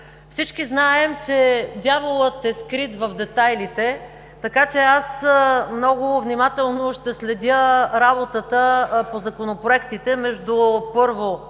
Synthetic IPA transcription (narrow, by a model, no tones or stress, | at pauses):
fsit͡ʃkiznaɛmt͡ʃɛd̪ʲjavolˠət̪ɛskɾit̪vɐvd̪ɛt̪ajlit̪ɛ | t̪ɐkat͡ʃɛasmnɔɡʊvnimat̪ɛlˠnoʃt̪ɛslɛd̪ʲəɾabot̪ət̪əpozɐkonopɾoɛkt̪it̪ɛmɛʒd̪ʊpɤɾvo